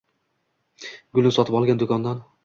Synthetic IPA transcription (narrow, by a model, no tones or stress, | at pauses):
ɡʊlˠnɪsɒt̪ʰɪpɒlˠɡʲand̪ʊkʰɒnd̪an